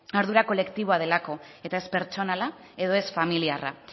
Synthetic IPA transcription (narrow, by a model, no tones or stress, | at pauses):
aɾðuɾako̞le̞kt̪iβ̞o̞að̞e̞lako̞ | e̞t̪ae̞spe̞ɾt͡ʃo̞nala | e̞ðo̞e̞sfamiliara̰